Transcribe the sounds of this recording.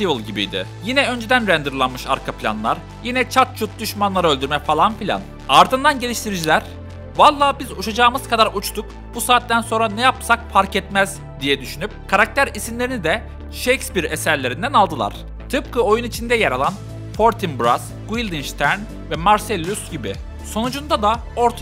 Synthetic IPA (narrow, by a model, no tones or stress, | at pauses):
t̪ivlˠɟibḭjd̪ɪ̰jinɛø̞nd͡ʒed̪ænɾænd̪ɯɾlˠanmɯʃa̰ɾkʰapʰilʲa̰nlˠa̰ɾ | jinɛt͡ʃʰat̪̚t͡ʃʰut̪̚d̪yʃmanlˠaɾaølʲd̪yɾmɛfalˠanpilʲa̰n | aɾd̪ɯnd̪anɟelʲiʃt̪ʰiɾid͡ʒilʲæɾ̥ | valˠːaːbizuʃad͡ʒaːɯmɯz̥kʰad̪aɾut͡ʃt̪ʰuk | busaːt̪ːænso̞nɾanɛjap̚sak̚pʰaɾcɛt̪mæz | d̪ijɛd̪yʃynyp̚kʰaɾak̚t̪ʰæɾisinlʲe̞ɾinid̪ɛ | ʃejkspiɾesæɾlʲe̞ɾind̪ænalˠd̪ɯlˠa̰ɾ̥ | t̪ʰɯpkʰɯo̞junit͡ʃʰind̪ɛjaɾalˠan | pʰo̞ɾt̪ʰinbɾas | ɡ̥uilʲd̪inʃt̪ʰæɾn | vɛmaɾselʲːusɟibi | so̞nud͡ʒund̪ad̪a | o̞ɾt̪ʰ